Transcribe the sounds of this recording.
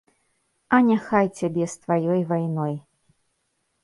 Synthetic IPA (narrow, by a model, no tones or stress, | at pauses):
ɐnʲaxajt͡sʲabʲɛst̪vajɔjvajnɔj